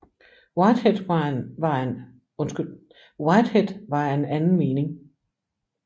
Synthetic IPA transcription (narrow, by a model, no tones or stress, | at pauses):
waɪd̥hed̥ʋɑ̈en | ɔnsɡ̥yl | waɪd̥hed̥ʋɑ̈enænn̩me̝ːne̝ŋ